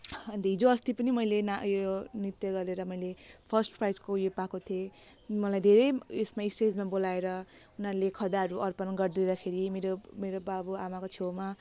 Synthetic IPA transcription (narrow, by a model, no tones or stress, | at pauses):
ʌnt̪ʌɦid͡zoʌst̪ipʌnimʌjlenajonit̪jʌɡʌɾeɾʌmʌjlepʰʌsʈprajskojopakot̪ʰie | mʌlajd̪ʱeɾʌjesmaisʈed͡zmabolaeɾʌunaɾlekʰʌd̪aɦʌɾuʔʌrpʌnɡʌrd̪id̪akʰeɾimeɾomeɾobabuamakot͡sʰewma